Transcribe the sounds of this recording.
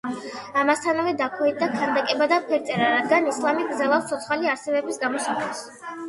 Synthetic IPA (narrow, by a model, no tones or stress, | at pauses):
amast̪ʰanavɛd̪akʰwɛind̪akʰand̪akʼɛbad̪apʰɛɾt̪sʼɛɾaɾad̪ɡanislˠamiɡɾd̪zɛlˠafst̪sʰɔt̪sʰχaliaɾsɛbɛbisɡamɔsakʼlɛs